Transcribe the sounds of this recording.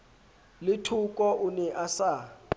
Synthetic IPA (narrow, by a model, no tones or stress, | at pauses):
lɪtʰukʼɔʔunɛʔasa